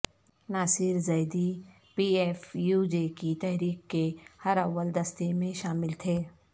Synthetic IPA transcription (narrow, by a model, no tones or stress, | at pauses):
naːsɪɾzɐɪd̪i | piːeːfjuːd͡ʒekit̪ɛɦɾiːkkːehɐɾɐʋəld̪ɐst̪emẽʃaːmɪlt̪ʰeː